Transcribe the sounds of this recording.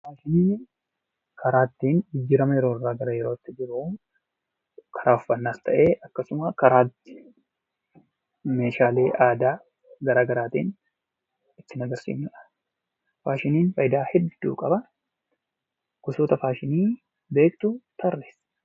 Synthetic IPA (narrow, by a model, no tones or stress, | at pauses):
faːʃɪniː | kʰɐɾaːt̪ːiːnɡɪd͡ʒːɪɾɐmɐjɛɾo̞ːrːaːɡɐɾɐjɛɾo̞ːt̪ːɪd͡ʒɪɾuː | kʰɐɾaːʊfːɐnːaːt̪ʰːɐʔe̞ːʔɐkːɐsʊmɐkɐɾaːt̪ːɪ̥ | me̞ːʃaːle̞ːʔaːd̪aː | ɡɐɾaːɡɐɾaːt̪ḭːn | ɪt̪ːɪnɐɡɐɾsḭːmɪᶑɐ̥ | faːʃɪniːnfɐʔjd̪aːhɛd̪ːṵːkʼɐbɐ | ɡ̥ʊsoːt̪ɐfaːʃɪniː | be̞ːkt̪ʊt̪ʰɐrːeːs